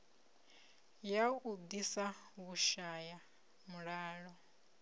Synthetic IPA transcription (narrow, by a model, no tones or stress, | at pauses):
jaud̪isa | βuʃaja | muɺaːɺɔ